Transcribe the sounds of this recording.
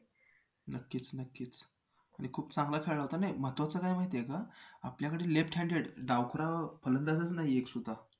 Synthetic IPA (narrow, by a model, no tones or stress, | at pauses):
nəkːiːt͡snəkːiːt͡s | aɽ̃ikʰuːpt͡sãŋɡlakʰeɭaɦot̪anajmət̪ʋat͡səkajmaɦit̪eekaapljakəɽeːlepʈɦɛ̃ɳɖeɽɖawkʰɾapʰələnd̪at͡s̪ət͡snaɦieksud̪ʱːa